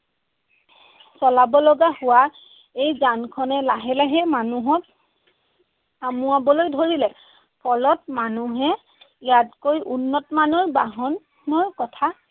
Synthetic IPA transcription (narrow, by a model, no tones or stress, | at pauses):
sɔlabɔlɔɡahʊwa | ejzankʰɔnɛlaɦɛlaɦɛmanuɦɔk | amuabɔlojdʱoɹilɛ | pʰɔlɔt̚manuɦɛ | jatkojʔunːɔtɔmanɔɹbaɦɔnː | ɔɹkɔtʰa